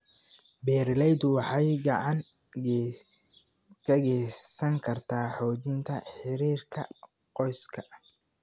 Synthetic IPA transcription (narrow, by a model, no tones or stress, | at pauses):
bɛːɾlɛjd̪ʊwɑħɑjɡɑʕɑŋ | kʰɐɣɛsɐŋkʰɐrt̪ʰaːħɔːt͡ʃɪnt̪ʰɐħɪɾiːrkʰɐ̰ | qɔjskʰɐ